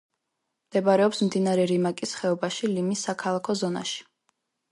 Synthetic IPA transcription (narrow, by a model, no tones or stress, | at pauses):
md̪̥ɛbaɾɛɔpsmd̪inaɾɛɾimakʼisχɛɔbaʃilimisːakʰalˠakʰɔzɔna̰ʃi̥